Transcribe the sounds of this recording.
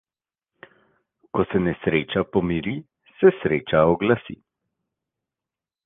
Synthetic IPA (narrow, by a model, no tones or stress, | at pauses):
kɔsɛnɛsɾeːt͡ʃapɔmiɾi | sɛsɾeːt͡ʃaɔɡlasḭ